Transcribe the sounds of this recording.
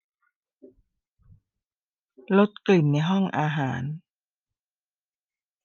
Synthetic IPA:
lo˦˥t̪̚kli˨˩nːa˧jɦɔ˥˩ŋʔaː˧ɦaː˩˦n

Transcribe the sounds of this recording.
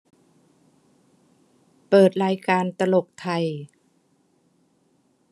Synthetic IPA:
pɤː˨˩t̪̚ɾaː˧jkaː˧nt̪a˧lo˨˩k̚t̪ʰa˨˩j

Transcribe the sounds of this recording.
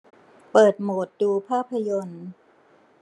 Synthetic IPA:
pɤː˨˩t̪̚moː˨˩t̪̚duː˧pʰaː˥˩pʰːa˧jo˧n

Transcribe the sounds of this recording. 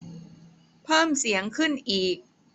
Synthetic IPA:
pʰɤː˥˩msi˩˦əŋkʰɯ˥˩nʔiː˨˩k̚

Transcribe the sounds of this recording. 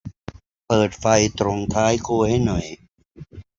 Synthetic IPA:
pɤː˨˩t̪̚fa˧jt̪ɾo˧ŋt̪ʰaː˦˥jkʰuː˥˩ha˥˩jnɔ˨˩j

